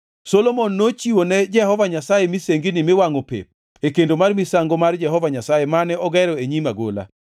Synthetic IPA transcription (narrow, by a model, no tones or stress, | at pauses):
sɔlomɔnːot͡ʃiwonɛd͡ʒɛhɔvaɲasajemiseŋɡinɪmɪwaŋopḛp̚ | ekendomarmisaŋɡomard͡ʒɛɦɔvaɲasajemanɛɔɡɛɾɔeɲimaɡo̰la̰